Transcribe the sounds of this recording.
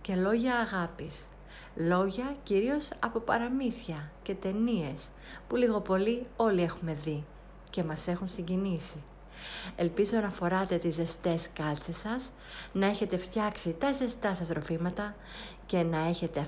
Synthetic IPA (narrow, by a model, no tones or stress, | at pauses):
ce̞lo̞ʝɐːɣɐpis | lo̞ʝɐciɾio̞sɐpo̞pɐ̰ɾɐmiθɐce̞t̪e̞nie̞s | puliɣo̞po̞lio̞lie̞xume̞ði | ce̞mɐse̞xunsiɲɟinisi | e̞lpizo̞nɐfo̞ɾɐt̪e̞t̪ize̞st̪e̞skɐlt͡sesɐs | nɐe̞çe̞t̪e̞ft̪çɐksit̪ɐze̞st̪ɐsɐst̪ɾo̞fimɐt̪ɐ | ce̞nɐe̞çe̞t̪e̞ɐ